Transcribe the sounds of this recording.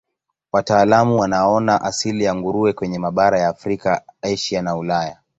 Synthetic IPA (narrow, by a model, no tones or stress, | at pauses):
wataːlamuwanaɔnaʔasilijaŋɡuɾuɛkwɛɲɛmaɓaɾajaːfɾikaaiʃianaulaja